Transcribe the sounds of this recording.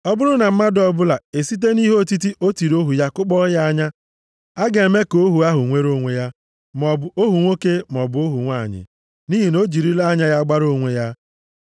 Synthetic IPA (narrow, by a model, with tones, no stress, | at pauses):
ɔ˦bʊ˦ɾʊ˦na˨m̩˦ma˦dɔ˨bʊ˦la˨e˨si˦t̬e˦ni˦ɦo˦˨ti˦t̬i˦ʔo˦ti˨ɾo˦ɦu˨ja˦kʊ˦k͡pɔ˦ja˦a˦ɲa˦ | a˦ɡe˨e˨me˦ko˦ɦu˨a˦ɦʊ˨ŋʷe˦ɾo˦ŋʷe˨ja˦ | mɔ˨bʊ˨o˦ɦu˨ŋʷo˦ke˦m˨ɔ˨bʊ˨o˦ɦu˨ŋʷa˦˨ɲɪ̰˨ | ni˦ɦi˨no˦d͡ʒi˨ɾi˦la˦ɲa˦ja˦ɡ͡ba˦ɾo˦ŋʷe˨ja˦